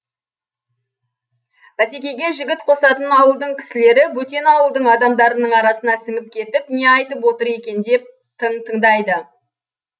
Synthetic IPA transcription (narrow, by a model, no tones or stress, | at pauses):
b̥æse̞kʲe̞jɡʲe̞ʒɪɡʲɪt̪qʰo̞sɑt̪ənɑwəlˠd̪əɴkʲʰɪ̥sɪle̞ɾɪbɵt̪e̞nɑwəlˠd̪əɴɑd̪ɑmd̪ɑɾənəɴɑɾɑsənɑsɪŋɪp̚kʲʰe̞t̪ɪpne̞ɑjt̪əpwo̞t̪əɾe̞kʲe̞nd̪e̞p̚ | t̪ʰəɴt̪ʰəɴd̪ɑjd̪ə